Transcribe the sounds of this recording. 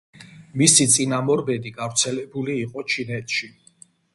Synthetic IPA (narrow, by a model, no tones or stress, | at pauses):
misit̪sʼinamɔɾbɛd̪iɡavɾt̪sʰɛlɛbuliːqʼɔt͡ʃʰinɛt̪ʰʃi